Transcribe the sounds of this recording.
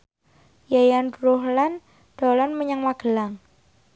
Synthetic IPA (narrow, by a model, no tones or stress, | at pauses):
jajanɾohlan | d̥ɔlanməɲaŋmaɡ̥əlaŋ